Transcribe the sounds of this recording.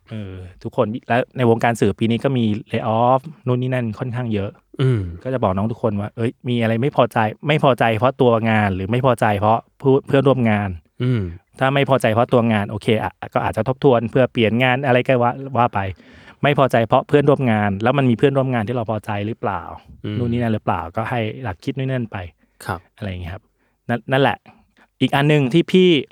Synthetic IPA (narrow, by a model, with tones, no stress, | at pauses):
ʔɤː˧t̪ʰu˦˥kʰːo˧nlɛ˦˥wna˧jwoː˧ŋkaː˧nsɯː˨˩piː˧niː˦˥kɔː˥˩miː˧leː˧ʔɔː˦˥fnuː˦˥˩nːiː˥˩na˥˩nkʰɔ˥˩nkʰaː˥˩ŋjɤ˦˥ʔ | kɔː˥˩t͡ɕa˨˩bɔː˨˩knɔː˦˥t̪ʰu˦˥kʰo˧nwaː˥˩ʔɤ˦˥˩jmiː˧ʔa˧ɾa˧jma˥˩jpʰɔː˧t͡ɕa˧jma˥˩jpʰɔː˧t͡ɕa˧jpʰɾɔ˦˥t̪u˧ɐŋaː˧nɾɯː˩˦ma˥˩jpʰɔː˧t͡ɕa˧jpʰɾɔ˦˥pʰu˥˩npʰɯ˥˩ənɾu˥˩ə˨mŋaː˧n˨ | t̪ʰaː˥˩ma˥˩jpʰɔː˧t͡ɕa˧jpʰɾɔ˦˥t̪u˧ɐŋaː˧nʔoː˧kʰeː˧ʔa̰˨˩kɔː˥˩aː˨˩t̪̚a˨˩t̪ʰo˦˥p̚t̪ʰu˧ənpʰɯ˥˩ɐpli˨˩ənŋaː˧nʔa˧ɾa˧jkɔː˥˩waː˦˥˩waː˧˥˩pa˧j | ma˥˩jpʰɔː˧t͡ɕa˧jpʰɾɔ˦˥pʰɯ˥˩ənɾu˥˩əmŋaː˧nlɛː˦˥wma˧nmiː˧pʰɯ˥˩ənɾu˥˩əmŋaː˧nt̪ʰiː˥˩ɾa˧wpʰɔː˧t͡ɕa˧jɾɯː˦˥pla̰ː˨˩wnuː˥˩niː˦˥˩na˦˥˩ɾɯː˦˥pla̰ː˨˩wkɔː˥˩ha˥˩jla˨˩kʰi˦t̪̚nu˥˩˨nɯ˥˩ə˨npa˧j | kʰʔa˧ɾa˧jŋi˦˥kʰa˦˥p̚ | na˥˩na˥˩nlɛ̰˨˩ʔ | ʔiː˨˩k̚ʔa˧nːɯ˨ŋt̪ʰiː˥˩pʰiː˥˩